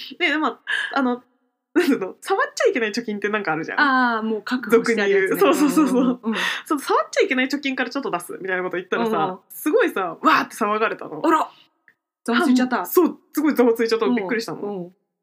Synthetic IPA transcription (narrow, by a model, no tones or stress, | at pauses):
ne̞d̪emoano̞ | nãnt̪ano̞saβat͡ɕaikʲe̞nait͡ɕo̞kʲĩnt̪e̞nãŋkaːɾɯ̟ʑã̰amoːkakɯd̪okkɯɲijɯːsoːsoːsoːsosonosaβat͡ɕt͡ɕaike̞nait͡ɕo̞kʲĩŋkaɾat͡ɕo̞t̪ːo̞d̪asɨ̰mʲit̪ainakot̪o̞it̪ːaɾɾasa | sɨɡo̞isaβaːt̪ːe̞̥saβaɡaɾe̞t̪a̰noɾa | oãiat̪ːaso̞ːsɨɡo̞izot͡sɨit͡ɕat̪ːobikːɯɾʲiɕit̪ano